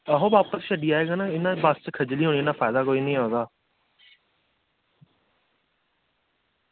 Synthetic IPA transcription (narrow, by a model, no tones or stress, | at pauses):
əɦõːbaːpəsʃəɖiːaːeːɡaːnaːɪnãːbəst͡ʃkʰəd͡ʒliːɦoːɳ̃iːnãːpʰaːɪd̪aːkoːiːnəĩːɦaːɡ̪aː